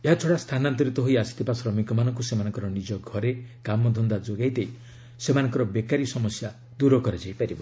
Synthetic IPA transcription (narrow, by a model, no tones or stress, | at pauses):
eɦat͡ʃʰoɽast̪ʰanant̪̬ɔɾit̪ɔɦoiasi̥t̪ʰipasɾɔmikɔmanɔŋkusemanɔ̃ŋkɔɾɔnid͡ʒɔɡʱɔɾekamɔd̪ʱɔnd̪ad͡ʒoɡajd̪ej | semanɔŋkɔɾɔbekaɾisɔmɔsja | d̪uɾɔkɔɾed͡ʒajpaɾibɔ